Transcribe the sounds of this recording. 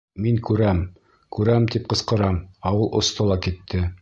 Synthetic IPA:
miŋkʉɾæm | kʉɾæmt̪ip̚qɤ̆sqɤ̆ɾɑmɑwɤlˠʔŏst̪ɤ̆lˠɑkit̪ʰːɘ

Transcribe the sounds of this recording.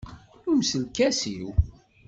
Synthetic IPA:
umsəlkæsiw

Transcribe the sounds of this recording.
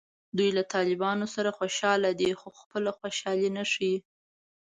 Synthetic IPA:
d̪ujlat̪ɑlɪbɑnosaɾaxoʃɑlad̪exoxpəlaxwaʃɑlinaʂi

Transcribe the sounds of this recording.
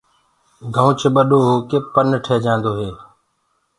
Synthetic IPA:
ɡʱəũt͡ʃɓəɗoːɦoːkeːpənʈʰeːd͡ʒãːnd̪oːɦeː

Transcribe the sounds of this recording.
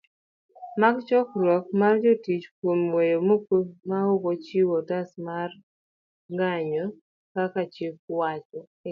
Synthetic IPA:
maɡt͡ʃɔkɾwɔk̚mard͡ʒotit͡ʃkwomwejomokomaokot͡ʃiwɔtasmar | ŋɡaɲɔ | kakat͡ʃɪp̚wat͡ʃɔ

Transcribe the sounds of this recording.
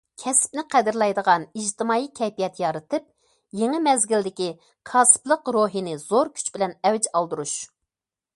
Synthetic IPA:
kʲʰɛsɪ̥pnɪqʰæd̪ɪɾlˠɛjd̪əʁɑniʒt̪ʰɪmɑːikʲʰɛjpijɛt̪jɑɾɨt̪ɨp̚ | jeŋɪmɛzɡʲild̪ɪkʲi | kʰɑːsɨ̥plˠəqɾoɦinɪzoɾkʲʰy̥t͡ʃbɪlɛnɛwd͡ʒɑlˠd̪uɾuʃ

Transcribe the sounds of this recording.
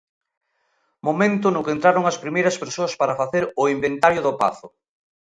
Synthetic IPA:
momẽnt̪ʊnʊkent̪ɾaɾʊŋɐspɾimejɾɐspeɾsoɐspaɾɐfaθeɾʊimbent̪aɾjʊðʊpa̰θʊ

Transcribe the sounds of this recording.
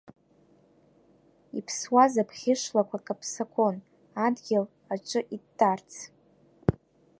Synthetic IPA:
ḭpʰswazapʰχʲɪʂlakʷʰakʼapʰsakʷʰo̞n | adɡʲel | aʈ͡ʂʷʼɨʔiːart͡sʰ

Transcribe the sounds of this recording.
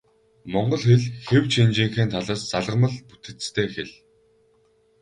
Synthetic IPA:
mɔɴɢɞ̆ɮxeɮxew̥t͡ɕint͡ɕiːŋxeːnt̪ʰaɮaːst͡saɮʁə̆mə̆ɮput̪ɘ̆t͡st̪ʰeːxeɮ

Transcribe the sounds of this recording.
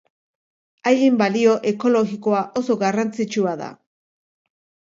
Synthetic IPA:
ajɣimbalio̞ʔe̞ko̞lo̞ɣiko̞aʔo̞so̞ɣarant͡sit͡ʃuaða̰

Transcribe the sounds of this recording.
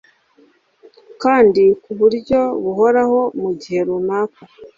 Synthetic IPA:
kaːndikuβuɾɟo̞βuho̞ɾaho̞muɟihe̞ɾunaːka

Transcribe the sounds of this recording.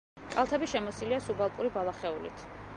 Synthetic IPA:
kʼalˠt̪ʰɛbiʃɛmɔsiliasubalˠkʼuɾibalˠaχɛulḭt̪ʰ

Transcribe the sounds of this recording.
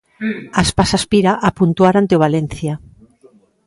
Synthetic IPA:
aspasaspiɾaʔapunt̪uaɾant̪eoβalenθja

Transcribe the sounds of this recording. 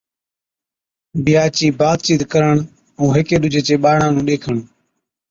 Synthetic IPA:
ɓɪjaːt͡ʃiːbaːd̪̚t͡ʃiːt̪kəɾəɳ | ũːɦɪkeːɗʊd͡ʒʱeːt͡ʃeːɓaːɳãːnũːɗeːkʰəɳ

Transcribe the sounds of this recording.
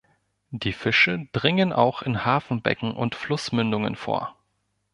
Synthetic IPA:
d̥iːfɪʃəd̥ʁɪŋənʔaʊxɪnhaːfn̩bɛ̰kŋ̩ʔʊ̰ntflʊsmʏndʊŋə̰nfo̰ːɐ

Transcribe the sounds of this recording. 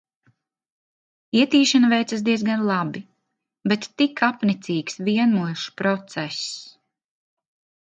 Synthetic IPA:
iɛt̪iːʃanavɛjt̪sas̬d̪iɛzɡanlˠabi | bɛt̪ːikapnit̪sʲiːksviɛnuɔʃpɾɔt̪sɛs

